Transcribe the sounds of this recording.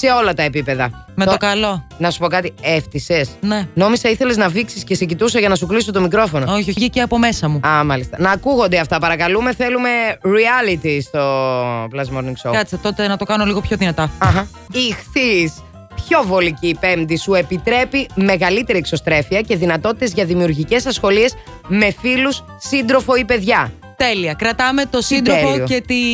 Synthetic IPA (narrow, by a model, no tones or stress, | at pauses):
se̞o̞lɐt̪ɐe̞pipe̞ðɐ | meokɐlo̞nɐsu̥po̞kɐt̪ieft̪ise̞sneno̞misɐiθe̞le̞znɐviksiscesecit̪usɐʝɐnɐsuklisot̪o̞mikɾo̞fo̞nooçioʝiceɐpo̞me̞sɐmuɐmɐlist̪ɐnɐːkuɣo̞nd̪eɐft̪ɐpɐɾɐkɐlume̞θelume̞ɾiɐlit̪ist̪o̞plɐzmoɾniŋɡsoɐsɐt̪o̞t̪e̞nɐt̪o̞kɐnoliɣo̞pçoðinɐt̪ɐɐɦɐ | ixθis | pço̞vo̞licipe̞md̪isue̞pit̪ɾe̞pime̞ɣɐlit̪e̞ɾiekso̞st̪ɾe̞fiɐce̞ðinɐt̪o̞t̪i̥t̪e̞zʝɐðimiuɾʝice̞sɐsxo̞lie̞s | me̞filusːind̪ɾo̞fo̞ipe̞ðʝɐ | t̪eliɐkɾɐt̪ɐmet̪osind̪oeoliocet̪i